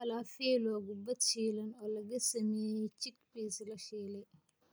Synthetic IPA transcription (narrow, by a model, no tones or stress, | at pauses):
ɐlaːfɛlɔːɣʊbɐd̪ʃiːlɐnɔːlɐɣɐsɐmɛːjɛjt͡ʃɪɡbiːslɐʃɛːlɛ